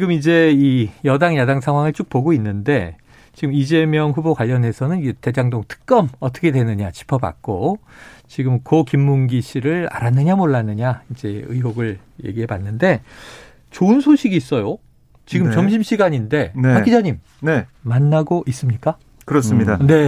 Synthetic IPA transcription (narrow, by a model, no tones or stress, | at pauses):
t͡ɕɡɯmid͡ʑe̞ijʌdaŋjadaŋsʰaŋɦwaŋɯɭt͡ɕ͈uk̚poɡoinːɯnde̞ | t͡ɕiɡɯmid͡ʑe̞mjʌŋɸubokwaʎːʌne̞sʰʌnɯniete̞d͡ʑaŋdoŋtʰɯ̥k̚k͈ʌmʌt͈ʌ̥kʰe̞dwe̞nɯɲat͡ɕi̥pʰʌba̰k̚k͈o | t͡ɕiɡɯmkokimːuŋɡiɕʰiɾɯɭa̰ɾanːɯɲamoɭːanɯɲaid͡ʑe̞ɯ̰iɦoɡɯɭ | je̞̰ɡiɦe̞panːɯnde̞ | t͡ɕoɯnsʰoɕʰiɡiːs͈ʌjo | t͡ɕiɡɯmt͡ɕʌmɕʰimɕʰiɡaɲinde̞nhak͈id͡ʑaɲim | neːanːaɡoʔis͈ɯmɲik͈a | kɯɾʌs͈ɯmɲidane̞